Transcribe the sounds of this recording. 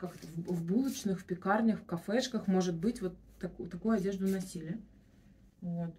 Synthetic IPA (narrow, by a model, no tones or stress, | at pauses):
kakvvbulˠɨt͡ɕnɨxfpʲɪkarnʲəxfkɐfɛʂkəxmo̞ʐɨt̪̚bɨtʲvo̞t̪ːɐkt̪ɐkujʊɐdʲe̞ʐd̪ʊnɐsʲilʲɪjə | vot̪